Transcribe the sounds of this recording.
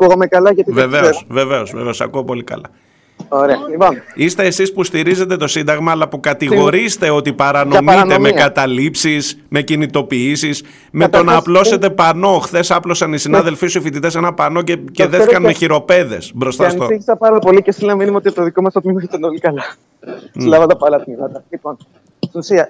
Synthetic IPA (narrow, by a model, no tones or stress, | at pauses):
ɐkuɣɐmekɐlɐʝɐt̪iveve̞osveve̞ozveveo̞sɐ̰kuopo̞likɐ̰lɐ̰ | oɾeɐionist̪e̞ːsispust̪iɾize̞t̪e̞t̪o̞sind̪ɐɣmɐːlɐpukɐt̪iɣo̞ɾist̪e̞o̞t̪ipɐɾɐnomitt̪emekɐt̪ɐlipsis | me̞cinit̪o̞piisis | me̞t̪o̞nɐːplo̞se̞t̪e̞pɐno̞xθe̞sɐplo̞sɐnisinɐðe̞lfisuifit̪it̪e̞senɐpɐno̞ceceðeθikɐnme̞çiɾo̞pe̞ðe̞̰sbɾo̞st̪ɐsnsoii̥sɐpɐɾɐpo̞licest̪ilenɐminimɐot̪iɐpt̪oðikomɐst̪ot̪mimɐçit̪ɐnolikɐlɐ | slɐvɐd̪ɐpɐlɐt̪imɐt̪ɐlipon | iusiɐ